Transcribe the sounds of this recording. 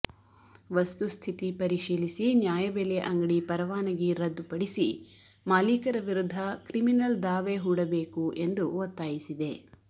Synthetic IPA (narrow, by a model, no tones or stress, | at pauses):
ʋɐst̪ust̪ʰit̪ipɐɾiʃiːlisinjaːjɐbeleʔɐŋɡɐɽipɐɾɐʋaːnɐɡiɾɐd̪ːupɐɽisimaːliːkɐɾɐʋiɾud̪ʱːɐkɾiminɐld̪aːʋeɦuːɽɐbe̞ːkuʔe̞nd̪uʋɔt̪ːaːjisid̪e